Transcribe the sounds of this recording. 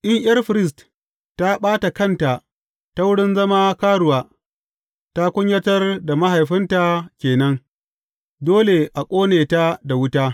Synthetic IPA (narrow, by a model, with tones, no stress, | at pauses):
ʔɪ˦ɲʔɪ̰˦ɐ˦rɸɪ˨ɾɪ˦˨s̬t | tːa˦ɓaː˦ta˨kɐ˦˨nta˨ | ta˦wʊ˦ɽɪ˦nzɐ˦ma˦kaː˦ɽʊ˨waː˦ | ta˦kʷʊ˦ɲjɐ˦tɐ˦rda˨ma˦ɦa˨jɸɪ˦nta˨kʲeː˨nɐ˦ŋ | doː˦le˨ʔa˨kʷʼoː˦neː˨ta˦da˨wʊ˦taː˦